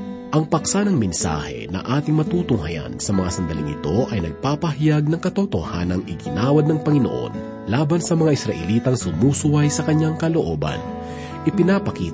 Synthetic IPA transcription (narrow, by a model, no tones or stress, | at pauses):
ʔɐŋpɐk̚sanɐŋmɛnsa̰ːhɛ̰nɐ̰ʔaːt̪ɪŋmɐt̪uːt̪ʊŋɦɐjɐ̰nsɐmɐŋasɐnd̪ɐlɪ̰ŋɪ̰t̪o̞ʔɐjnɐɡ̚paːpɐɦɪjaɡ̚nɐŋkɐt̪ot̪o̰hanɐŋʔɪɡɪnaːwɐd̪̚nɐŋpɐŋɪno̰ʔo̞̰n | laːbɐnsɐmɐŋaʔɪsɾɐʔɛliːt̪ɐŋsʊnuːsʊwɐjsɐkɐɲːaŋkɐlo̞ʔoːbɐ̰n | ʔɪpɪnaːpɐkiːt̪